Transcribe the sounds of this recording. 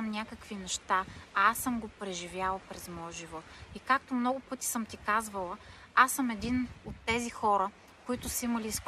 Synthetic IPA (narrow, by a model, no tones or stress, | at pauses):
mnʲakəkvinɛʃt̪aasɤmɡopɾɛʒivjalˠɐpɾɛzmɔjəʒivɔt̪ikak̚t̪omnɔɡʊpɤt̪i̥sɤmt̪ikazvəlˠə | asɤmɛd̪inot̪ːɛzixɔɾə | koit̪ʊsəimɐlisk